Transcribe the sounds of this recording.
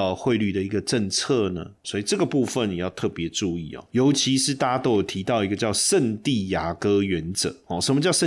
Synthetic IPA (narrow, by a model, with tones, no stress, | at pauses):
ə˨˧xwe˥˧ɪly˥˩d̪ə˩i˧˦˥ɡə˧ʈ͡ʂə˥˧nt͡sʰə˥˩nə̰˩swɔ˧˥i˨ʈ͡ʂɤ˥˩ɡə˩pu˥˧fə˨nji˨jɑ˥˧ʊt̪ʰɤ˥˩pjɛ˨˧˥ʈ͡ʂu˥˧i˥˨˩ɔ̰˨˩jo˧˦˥ʊt͡ɕʰi˧˥ʂɻ̩˥˧t̪a˥˧a˥t̪o˥ʊjo˨˩t̪ʰi˧˥t̪ɑ˥˩ʊi˧˥ɡə˧t͡ɕjɑ˥˧ʊʂə˥˧nt̪i˥˩ja˨˩kɤ˥ɥɛ˧˥nt͡sɤ̰˨˦hɔ˨˩ʂə˧nmə˧t͡ɕjɑ˥˧ʊʂə˥˨